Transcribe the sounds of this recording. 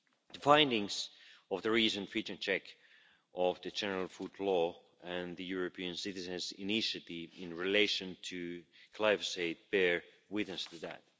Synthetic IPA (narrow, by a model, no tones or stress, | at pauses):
ðəfãɪ̃ndɪ̃ŋzɔvðəɹisɨ̃nfit͡ʃə̃nt͡ʃʰɛk | ʔɔvðɨd͡ʒɛnə˞alˠfudˡlɔ | ɨ̃nðɨjuɹopʰiɨ̃nsɪtɨzɨ̃nsɪnɪʃɨtivɪ̃nɹileɪʃɨ̃ntʰɨkʰl̥aɪvəseɪt̚b̥ɛɹ | wɪðnəstɨdæ̰t̚